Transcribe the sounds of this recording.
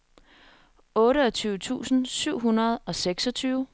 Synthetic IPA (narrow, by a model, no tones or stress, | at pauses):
ɔ̽ːɾəɒ̽t͡sʰyːʊt͡sʰṵːsn̩syʊ̰ɦunɐð̞ˠɒ̽seɡ̥sɒ̽t͡sʰyːʊ